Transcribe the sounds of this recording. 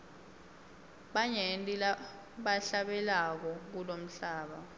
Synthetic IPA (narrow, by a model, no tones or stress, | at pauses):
ɓaɲɛntʼila | ɓaɬaɓɛlak̬ɔk̬ulom̩ɬaːɓa